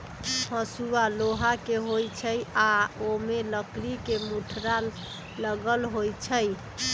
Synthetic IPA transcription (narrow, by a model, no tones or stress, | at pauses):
hə̃sualoɦakeɦojt͡ʃʰəjaomeləkɾikemuʈʰɾalː | əɡəlɦojt͡ʃʰəj